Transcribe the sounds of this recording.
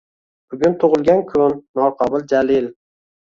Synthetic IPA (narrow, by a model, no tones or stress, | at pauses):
b̥ʊɡʲʊnt̪ʰʊʁɨlˠɡʲankʲʰʊnːɒqʰɒbʊlˠd͡ʒalɪl